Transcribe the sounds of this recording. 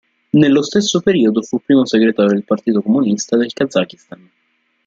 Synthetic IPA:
nelːost̪esːopeɾiod̪ofupːɾiːmoseɡɾet̪aːjod̪elpart̪iːt̪okomunist̪ad̪elkad̪zːak̟ist̪an

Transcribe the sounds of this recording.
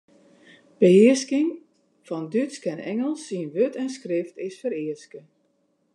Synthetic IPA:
b̥əhɪəskɪŋ | fɔndytskɛnɛŋəlˠsiənʋøtʰɛnskrɪftɪsfəɾɪəskə

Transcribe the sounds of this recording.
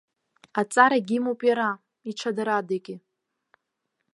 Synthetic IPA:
at͡sʼaɾaɡʲimowpʼjaɾa | iʈ͡ʂʰadaɾadakʲʼɪ

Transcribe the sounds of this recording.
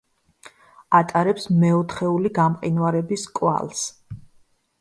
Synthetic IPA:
at̪ʼaɾɛpsmɛɔt̪ʰχɛuliɡamqʼinwaɾɛbiskʼwa̰lˠs

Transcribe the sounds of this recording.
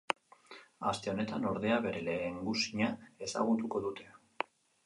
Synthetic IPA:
ast̪e̞o̞ne̞t̪ano̞ɾð̞e̞aβe̞ɾe̞le̞ːŋɡusiɲae̞sa̰ɣ̞ut̪uko̞ðut̪e̞

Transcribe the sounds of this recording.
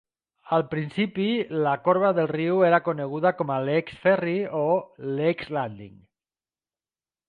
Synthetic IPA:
alˠpɾinsipilakoɾβaðelriweɾakoneɣ̞uðakomaleksfɛrioleksland̪ḭŋ

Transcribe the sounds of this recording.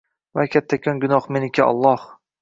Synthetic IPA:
vakʲʰat̪ʰːakʰʲɒnɡʊnɒhmenɪkʲʰaɒ̰lˠːɒh

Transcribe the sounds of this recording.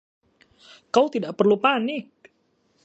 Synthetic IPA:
kawt̪idaʔpərlupanɪk̚

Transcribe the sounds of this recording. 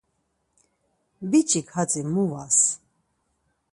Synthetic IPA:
bit͡ʃʼikhat͡sʼimuvas

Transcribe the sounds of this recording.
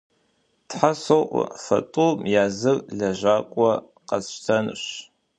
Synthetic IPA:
tħasoʔʷfɐ̰tʼuːmjaːzɨrɮɐʒaːkʷʼɔ | qɐstʰɐnɨ̰ɕ

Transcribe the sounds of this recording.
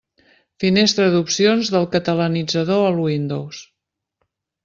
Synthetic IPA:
finest̪ɾəðupsionzðəlˠkət̪ələnid͡zəðoəlwind̪ows

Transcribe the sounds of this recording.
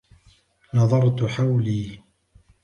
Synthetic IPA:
nɑðˤɑɾˤt̪ħawliː

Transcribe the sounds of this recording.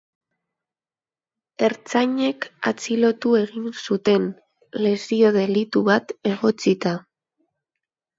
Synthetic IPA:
e̞ɾt͡saɲe̞ka̰t͡silo̞t̪ue̞ɣinsut̪e̞n | le̞sio̞ðe̞lit̪uβat̪e̞ɣo̞t͡sit̪a

